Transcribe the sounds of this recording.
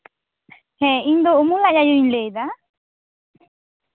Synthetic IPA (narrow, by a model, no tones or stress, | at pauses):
hɛind̪oumũlajajoinleða